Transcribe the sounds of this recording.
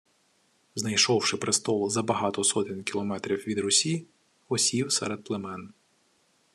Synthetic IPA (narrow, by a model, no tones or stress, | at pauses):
znɐjʃɔwʃɪpɾɪst̪ɔlˠzɐbɐɦɑt̪ɔsɔt̪ɪnʲkʲilˠɔmɛt̪ɾʲiwʋʲid̪ɾʊsʲi | ɔsʲiwsɛ̰ɾed̪̚plˠemɛn